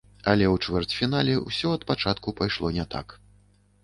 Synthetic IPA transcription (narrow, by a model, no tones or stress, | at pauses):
ɐlʲɛwt͡ʂvɛrt͡sʲfʲinalʲɛwsʲɔɐt̪̚pat͡ʂat̪kupajʂlˠɔnʲɛt̪a̰k